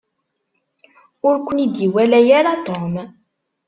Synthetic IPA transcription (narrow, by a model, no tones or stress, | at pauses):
ʊɾkʷːənid̪jiwælæjaɾat̪om